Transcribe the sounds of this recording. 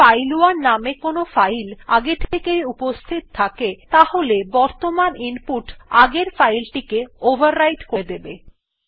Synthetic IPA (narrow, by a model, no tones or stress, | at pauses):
fajluaɾnamekonofajlaɡet̪ʰekejupost̪ʰit̪̚t̪ʰaket̪aholebɔɾt̪omanimpuʈaɡeɾfajlʈikeobʱaɾːajʈkoed̪ebe